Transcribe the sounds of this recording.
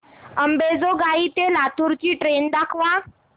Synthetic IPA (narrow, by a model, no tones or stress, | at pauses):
əmbed͡zoɡait̪elat̪ʰuɾt͡ɕiːʈɾend̪akʰʋa